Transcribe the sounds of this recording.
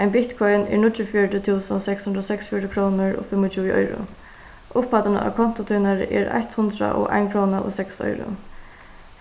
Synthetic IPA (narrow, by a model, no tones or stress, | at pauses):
ajnbɪt̪kʰɔjnɛ̰ɹnʊt̪ɾəfjɔʈət̪ʰuːsənɔsɛkshʊnd̪ɾɔːsɛksfjɔɾəkʰɾoːnɪɹɔ̰ːfɪmːɔt͡ʃʰuːʔɔ̰jɾʊ̰ | ʔʊphat̪anə̰ʔa̰kʰɔn̥t̪ʊt̪ʰuːnaɾɪ̰ʔɛɾa̰çt̪hʊnd̪ɾa̰ʔɔ̰ʔa̰jnkʰɾoːnaʔɔsɛksɔ̰jɾʊ̰